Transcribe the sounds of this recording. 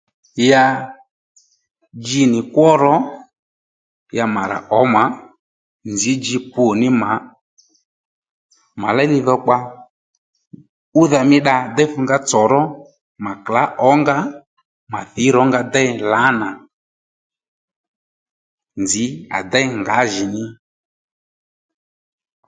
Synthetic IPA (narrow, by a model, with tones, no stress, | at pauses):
ja˧ | d͡ʒi˧nɪ˨kwɔ˦ɾɔ˨˦ | ja˧ma˨ɾa̰˨ʔɔ˨˦ma˨˦ | nd͡zi˨˦d͡ʒi˧pu˨nɪ˦ma˨˦ | ma̰˨la˦li˧˦ðɔ˧k͡pa˧ | u˦ða˧mɪ˦ɗa˧d̪ɛ˦fu˧ŋɡa˦t͡sɔ˨ɾɔ˦ | ma˨kla˨˦ʔɔ˨˦ŋɡa˦ | ma˨θɪ˨˦ɾɔ˨˦ŋɡa˧dɛ˦la˨˦na˨ | nd͡zɪ˨˦a̰˨dɛ˦˨˦ŋɡa˨˦ʒɪ˨nɪ˦